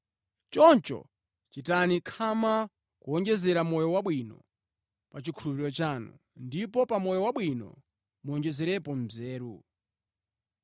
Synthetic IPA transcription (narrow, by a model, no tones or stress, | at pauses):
t͡ʃɔnt͡ʃɔ̰ | t͡ʃitanikʰama | kuɔnd͡ʒɛzɛɾamɔjɔwaɓwinɔ̰ | pat͡ʃikʰulupiɾɔt͡ʃaːnṵ | ndipɔpamɔjɔwaɓwinɔ̰ | muɔɲd͡ʒɛzɛɾɛpɔn̩zɛːɾu